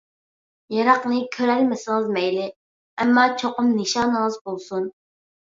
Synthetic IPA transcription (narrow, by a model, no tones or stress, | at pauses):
jɑɾɑqnɨkʲʰøɾɛlmɪsɪŋɨzmɛjlɪ | ɛmːɑːt͡ʃʰoqʊmnɪʃɑːnəŋɨzbolˠsun